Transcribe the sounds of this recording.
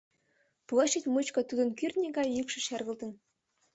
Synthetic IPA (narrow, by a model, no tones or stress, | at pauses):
plˠɤʃit̪ʲmɨt͡ɕkɤ̆t̪ud̪ɤ̆nkyrʲnʲeɡɑjjykʃɤ̆ʃærɣə̆lˠt̪ə̆n